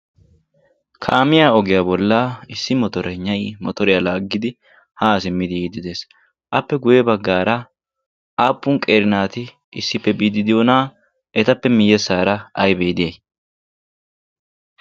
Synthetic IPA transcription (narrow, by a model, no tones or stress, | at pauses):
kʰaːmɪjaːɔɡɪjabɔlːaɪsːɪmɔt̪ɔɾɛɲːɐjmɔt̪ɔɾɪjalaːɡːɪd̪ɪ | haːsɪmːɪd̪ɪjiːd̪ɪd̪e̞ːs | ʔɐpːɛɡʊjɛbɐɡːaːɾɐ | ʔaːpːʊnkʼeːɾɪnaːt̪ɪ | ʔɪsːɪpːɛbiːd̪ɪd̪ɪjoːnaː | ʔɛt̪ɐpːɛmɪjːɛsːaːɾɐɐjbeːd̪ɪjɐj